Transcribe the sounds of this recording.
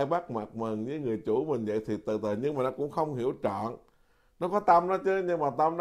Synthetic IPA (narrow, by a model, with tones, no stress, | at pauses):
jɓa˦˥k̚ma˨˩t̚mɨ˨˩nzɨː˧˦jŋɨ˨˩əjt͡ɕu˧˩˦mï˨˩ŋ̟və̰˧˨jt̪ʰi˨˩t̪ɨ̰˧˨˩t̪əː˨˩jɲɨ˧ŋmaː˨˩nɔ˨˦kʊ̰˧˥ŋ͡mxə˧wŋ͡mɦi˧˩əwt͡ɕɔ̰˧˨n | nɔ˨˦kɔ˨˦t̪ə˧mnɔ˨˦t͡ɕɨ˨˦ɲɨ˧ŋmaː˨˩t̪ə˧mn